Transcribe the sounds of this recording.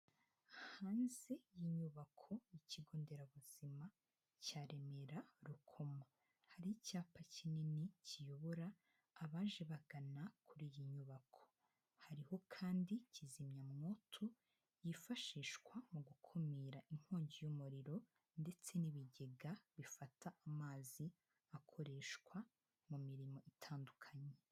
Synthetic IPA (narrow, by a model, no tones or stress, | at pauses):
haːnzejiɲuβakʰo̞iciɡo̞ːnde̞ɾaβuz̥ima | caːɾe̞me̞ɾaɾukʰo̞ma | haɾicaːpacininicijo̞βo̞ɾaː | βaːnʒe̞βaɡ̥anakʰuɾiːjiɲuβakʰo̥ | haɾiho̞kʰaːndicizimɲamŋotʰu | jifaʃiːʃkwamuɡukʰumiːɾaiŋ̥hoːɲɟijumuɾiɾo̞ | nde̞t͡se̞niβiɟe̞ɡaβifataʔamaːzi | akʰo̞ɾe̞ːʃkwa | mumiɾimo̞ʔitʰaːndukʰaɲe